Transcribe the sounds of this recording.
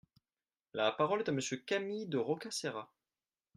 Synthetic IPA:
lapaʁɔlɛt̪aməsjøkamid̪əʁɔkaseʁa

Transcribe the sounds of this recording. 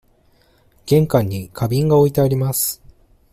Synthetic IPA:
ɡ̥ẽ̞ŋkãɲ̟ːikʰabʲĩŋɡao̞it̪eaɾʲimasɨ̥

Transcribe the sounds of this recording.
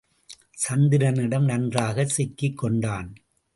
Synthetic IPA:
sɐnd̪ɪɾɐnɪɽɐmnɐndraːɣɐsɪkːɪkːɔɳɖaːn

